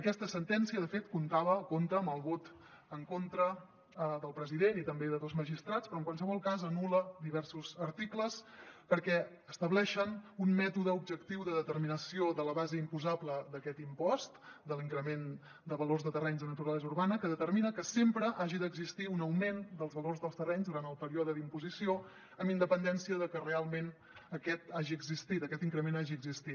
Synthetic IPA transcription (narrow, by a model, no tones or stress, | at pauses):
əkɛst̪əsənt̪ɛnsiəðəfet̪kunt̪aβəkont̪əːməlˠβot̪ | əŋkont̪ɾə | ðəlˠpɾəziðenit̪əmbeðəðozməʒist̪ɾat͡spɾɔəŋkwalˠsəβɔlˠkazənuləd̪iβɛrsuzəɾt̪ikləspəɾkɛ | əst̪əβlɛʃənunmɛt̪uðəub̚d͡ʒəkt̪iwðəðət̪ərminəsioðələβazəimpuzabləd̪əkɛt̪impɔst̪d̪əliŋkɾəmen | d̪əβəlorzðət̪ərɛɲzənət̪uɾalɛzuɾβanəkəðət̪əɾminəkəsempɾəʔaʒiðəɡzist̪iunəwmend̪əlˠzβəlorzðəlˠst̪ərɛɲzðuɾant̪əlˠpəɾiɔðəðimpuzisio | əmind̪əpənd̪ɛnsiəðəkərealˠmen | əkɛt̪aʒiəɡzist̪it̪əkɛt̪iŋkɾəmenaʒiəɡzist̪i